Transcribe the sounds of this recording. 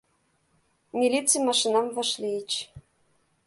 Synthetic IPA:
mʲilʲit͡simɑʃinɑmvɤ̆ʃlʲiit͡ɕ

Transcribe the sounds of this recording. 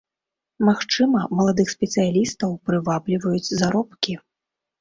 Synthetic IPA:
maxt͡ʂɨmɐmɐlˠad̪ɨxsʲpʲɛt̪sɨjalʲist̪ɐwpɾɨvablʲivɐjut͡sʲzaɾɔpkʲi

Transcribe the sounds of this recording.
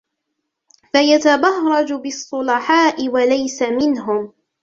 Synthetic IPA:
fajat̪abɑhɾˤɑd͡ʒbɪsˤːʊlɑħaːʔɪwalajsamɪnɦʊm

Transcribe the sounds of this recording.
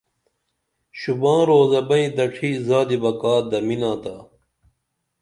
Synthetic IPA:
ɕubãːɾoːzɐbɐ̃ĩd̪ɐʈʰiːzaːd̪ibɐkaːd̪ɐminãːt̪a

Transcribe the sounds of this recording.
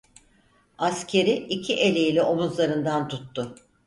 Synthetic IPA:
ascʰe̞ɾiicʰiʔe̞lʲejilʲɛomuzlˠaɾɯnd̪ant̪ʰut̪ːʊ

